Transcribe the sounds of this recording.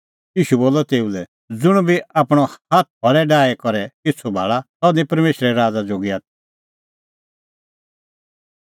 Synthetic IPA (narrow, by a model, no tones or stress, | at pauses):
jiːʃuboːlɔt̪eːulɛ | d͡zʊɽ̃biaːpɽ̃ɔhaːt̪̚ʰbʰɔɾɛɖaːɛkɔɾɛkɪt͡sʰubʱa̰ːɭat̪ɔnĩpɐɾmeːʃɾɛɾaːd͡zad͡zoːɡiaːt̪̚ʰi̥